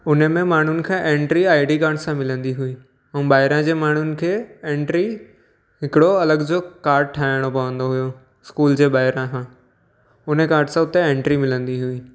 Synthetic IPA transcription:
ʊnəmẽmaːɳ̤ʊnɪ̆kʰãʔẽːɳʈɾiaːɪɖik̬aːɾʈsãmɪlə̃nd̪iɦuĩː | ɛ̃ːɓaːɦɪɾãd͡ʑeːmaːɳ̤ʊnɪ̆kʰeːẽːɳʈɾi | ɦɪkɪɽoɐləɡd͡ʑokaːɾʈ̚ʈʰaːɪɽ̃opɐʋə̃nd̪oɦʊjo | ɪskuːld͡ʑeːɓaːɪɾãkʰã | ʊnekaːɾʈsãʊt̪eẽːɳʈɾimɪlə̃nd̪iɦuiː

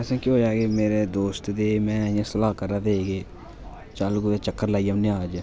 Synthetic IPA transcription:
ɛːsẽːkiɦoːd͡ʒaːɡeːmeːɾeːd̪oːst̪d̪eːmɛ̃ːãsəlaːkəɾaːd̪eːeːɡeː | t͡ʃaːlːɡud̪eːt͡ʃəkːəɾlaːiːəmnẽaːd͡ʒ

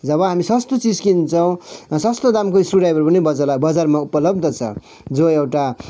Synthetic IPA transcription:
d͡zʌbʌɦamisʌst̪ot͡sid͡zkint͡sʰʌw̃sʌst̪od̪amkoisruɖajbʌɾpʌnebʌd͡zalabʌd͡zarmaupʌlʌb̚d̪ʱʌt͡sʰʌ̰ | d͡zoewʈa

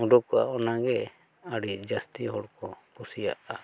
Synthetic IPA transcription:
uɖɔkɔa̰ɔnaɡɛ | aɽid͡ʒast̪iɦɔɽkɔkusija̰ʔa

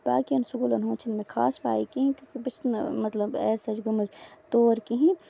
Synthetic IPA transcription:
baːkiɐnsʊɡulɐnɦõːt͡ʃʰɪnmẽkʰaːsba̰ːikiɦĩkjõːkibɐt͡ʃ̪nmɐt̪ləbɛːsɐd͡ʒɡʊmɐd͡ʒt̪oːɾkiɦĩ

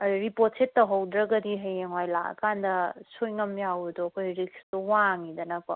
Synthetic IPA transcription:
ɾipot̚setːɐɦɐwdɾɐɡɐdiɦɐjeŋwajlaɐ̰kʰandɐsojŋɐmjawɾdɔɐkʰojɾikstɔwaŋidɐnɐkɔ

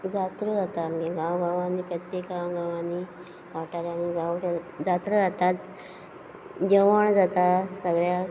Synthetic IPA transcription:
d͡zat̪ɾəd͡zat̪amiɡãwɡãʋanːiːpɾət̪jekɡãwɡãʋanːi | ʋaʈaɾaɽ̃iɡãwad͡zat̪ɾəd͡zat̪at͡s | d͡ʑəʋəɳd͡zat̪asəɡɭja

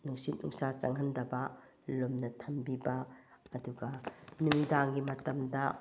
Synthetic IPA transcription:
nuŋsitʔṵŋsat͡ʃɐŋɦɐndɐbɐ | lomnɐtʰɐmbibɐːduɡɐnuŋidaŋɡimɐtɐmdɐ

